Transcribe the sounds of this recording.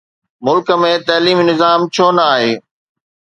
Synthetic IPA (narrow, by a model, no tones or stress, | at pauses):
mʊlkə̆mẽt̪ɐːliːmnɪzaːmt͡ɕʰoːnɐaːɦeː